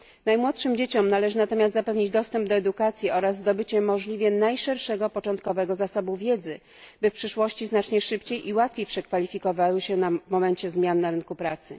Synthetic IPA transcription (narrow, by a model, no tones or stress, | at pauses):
najmwɔt̪ʂɘmd͡ʑet͡ɕɔmnalɛʐɘnat̪ɔmʲjast̪zapɛvɲid͡ʑd̪ɔst̪ɛmb̚d̪ɔɛd̪ukat̪sʲjiɔɾazzd̪ɔbɘt͡ɕɛmɔʐlʲivʲjɛnajʂɛɾʂɛɡɔpɔt͡ʂɔnt̪̚kɔvɛɡɔzasɔbuvʲjɛd̪zɘ | bɘfpʂɘʂwɔɕt͡ɕiznat͡ʂɲɛʂɘpt͡ɕejʔiwat̪fʲejpʂɛkfalʲifʲikɔvawɘɕɛnamɔmɛɲt͡ɕɛzmʲjanːaɾɘnkupɾat̪sɘ̰